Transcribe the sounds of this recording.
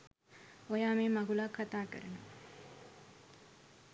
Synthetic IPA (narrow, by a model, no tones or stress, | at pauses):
ojaːmeːmaɡulakʰːat̪aːkə̰ɾəno̰